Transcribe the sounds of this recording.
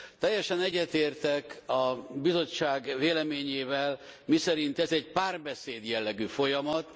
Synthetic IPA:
t̪ːɛjːɛʃɛnɛɟːɛt̪eːrt̪ɛkɒbizo̞t͡ʃːaːɡveːlɛmeːɲeːvɛlmisɛɾint̪ɛzɛɟpaːrbɛseːd̪jɛlːɛɡyːfo̞jɒmɒt̪

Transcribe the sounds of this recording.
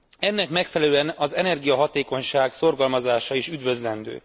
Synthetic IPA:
ɛnːɛkmɛkfɛlɛløːɛnɒzɛnɛrɡijɒɦɒt̪eːko̞ɲʃaːɡso̞rɡɒlmɒzaːʃɒiʃyd̪vø̞zlɛnd̪ø̰ː

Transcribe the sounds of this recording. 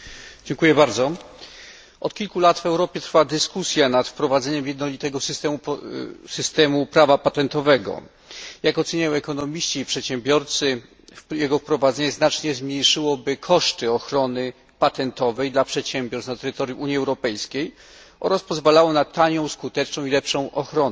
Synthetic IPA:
d͡ʑɛŋkujɛbaɾd̪zɔ | ɔt̪̚kʲilkulat̪vɛwɾɔpʲjɛt̪ɾfad̪ɘskusʲjanat̪fpɾɔvad̪zɛɲɛmjɛd̪nɔlʲit̪ɛɡɔsst̪ɛmusɘst̪ɛmupɾavapat̪ɛnt̪ɔvɛɡɔ̰ | jakɔt̪sɛɲajɔ̃w̃ɛkɔnɔmʲiɕt͡ɕiːpʂɛt̪ɕɛmbʲjɔɾt̪sɘ | jɛɡɔfpɾɔvad̪zɛɲɛznat͡ʂɲɛzmʲɲejʂɘwɔbɘkʰɔʂt̪ɘɔxɾɔnɘ | pat̪ɛnt̪ɔvɛjd̪lapʂɛt̪ɕɛmbʲjɔɾsnat̪ɛɾɘt̪ɔɾʲjuʔuɲjiɛwɾɔpɛjskʲej | ʔɔ̰ɾaspɔzvalawɔnat̪aɲɔ̃w̃skut̪ɛt͡ʂnɔ̃w̃ilɛpʂɔ̃w̃ʔɔxɾɔnɛ

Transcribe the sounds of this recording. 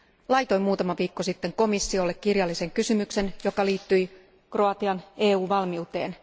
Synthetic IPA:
lɑjt̪o̞jmuːt̪ɑmɑʋiːkːo̞sit̪ːe̞ŋko̞misːio̞lːe̞kkːirjɑlːise̞ŋkysymykse̞njo̞kɑliːt̪ːyj | kro̞ɑt̪iɑne̞ːuːʋɑlmiut̪e̞̰ːn

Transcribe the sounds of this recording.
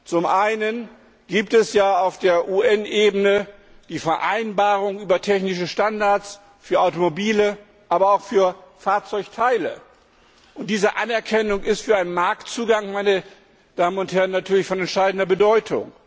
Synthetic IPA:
t͡sʊmʔaɪnən | ɡ̥iːp̚tɛsjaːaʊfd̥eːɐʔuːʔɛnʔeːbənə | d̥iːfɛɐʔa̰ɪnbaːʁʊŋyːbɐtʰɛçnɪʃ̬əʃtandaɐt͡s | fyːɐʔaʊtomobiːlə | ʔaːbɐaʊxfyːɐfaːɐt͡sɔʏçtʰaɪlə | ʔʊntd̥iːzəʔanɛɐkʰɛnʊŋɪstfyːɐaɪnənmaɐk̚tt͡suːɡaŋmaɪnə | d̥aːmənʊnthɛɐʁənːatʰyːɐlɪçfɔnɛntʃaɪdn̩dɐbədɔʏtʰʊ̰ŋ

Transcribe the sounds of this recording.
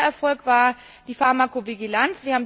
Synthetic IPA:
ʔɛɐfɔlkv̥aːɐ | d̥iːfaɐmakoviɡilant͡sv̥iːɐhaːm

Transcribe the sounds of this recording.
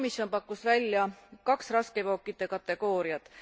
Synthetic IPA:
misjo̞npɑkːˑusvælʲːjɑkɑksrɑskevo̞ːkːˑit̪ːˑe̞kɑt̪ːˑe̞ɡ̥o̞ːɾiɑt̪ːˑ

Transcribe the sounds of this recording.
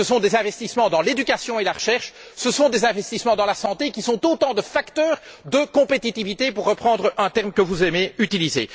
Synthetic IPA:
əsɔ̃d̪ezɛ̃vɛst̪ismɑ̃d̪ɑ̃led̪ykasjɔ̃elaʁəʃɛʁʃsəsɔ̃d̪ezɛ̃vɛst̪ismɑ̃d̪ɑ̃lasɑ̃t̪ekʲisɔ̃t̪ot̪ɑ̃d̪əfakt̪œːʁd̪əkɔ̃pet̪it̪ivit̪epuʁːəpχɑ̃d̪ʁəɛ̃t̪ɛʁmkəvuzɛmeyt̪ilizḛ

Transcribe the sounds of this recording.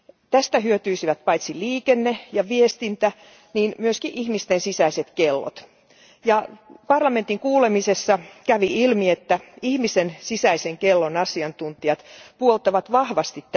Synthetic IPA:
t̪æst̪æhyøt̪yisiʋæt̪̚pɑit̪siliːkenːejɑʋiest̪int̪æ | niːnmyøskiʔihmist̪ensisæiset̪kelːo̰t̪ | jɑpɑrlɑment̪iŋkuːlemisesːɑkæʋiilmiet̪ːæihmisensisæiseŋkelːonɑsiɑnt̪unt̪iɑt̪puolt̪ɑʋɑt̪ʋɑhʋɑst̪it̪t

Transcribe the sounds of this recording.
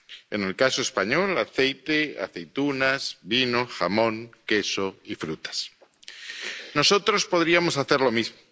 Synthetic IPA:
ḛne̞lkasoespaɲo̞laθe̞jt̪ea̰θe̞jt̪unazβino̞xamõ̞ŋke̞so̞ifɾut̪ḁs | no̞so̞t̪ɾospo̞ðɾiamosaθeɾlo̞mizmo

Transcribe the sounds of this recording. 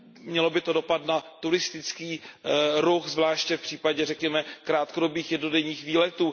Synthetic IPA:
mɲɛlo̞bɪt̪o̞do̞pat̪nat̪uɾɪst̪ɪt͡skiːɾuxzvlaːʃcɛfpr̝̥iːpaɟɛrɛkɲɛmɛkɾaːt̪kodo̞biːxjɛdno̞dɛɲiːxviːlɛt̪uː

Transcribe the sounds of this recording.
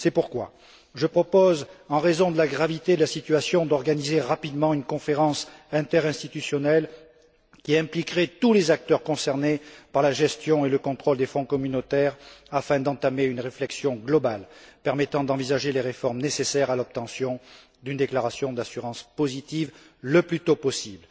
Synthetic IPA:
sɛpuʁkwa̰ | ʒəpχɔpɔzɑ̃ʁezɔ̃d̪əlaɡʁavit̪ed̪əlasit̪yasjɔ̃d̪ɔʁɡanizeʁapid̪mɑ̃ynkɔ̃feʁɑ̃sɛ̃t̪ɛʁɛ̃st̪it̪ysjɔnɛl | kʲiɛ̃plikʁet̪ulezak̚t̪œʁkɔ̃sɛʁnepaʁlaʒɛst̪jɔ̃eləkɔ̃t̪χɔld̪efɔ̃kɔmynot̪ɛʁafɛ̃d̪ɑ̃t̪ameynʁeflɛksjɔ̃ɡlɔbalpɛʁmet̪ɑ̃d̪ɑ̃vizaʒeleʁefɔʁmnesesɛʁalɔp̚t̪ɑ̃sjɔ̃ | d̪ynd̪eklaʁasjɔ̃d̪asyʁɑ̃spɔzit̪iv | ləplyt̪opɔsibl

